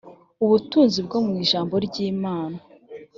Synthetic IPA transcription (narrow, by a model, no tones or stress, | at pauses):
uβutuːnzibɡomŋiːʒaːmbo̞ɾɟiːmaːna